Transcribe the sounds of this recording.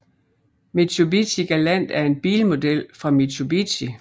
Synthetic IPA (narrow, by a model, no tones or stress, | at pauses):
met͡sʰubit͡sʰiɡ̥ælæn̰d̥æɐe̝nb̥ḭːlmo̝d̥el̰fʁɑ̈mit͡sʰubit͡si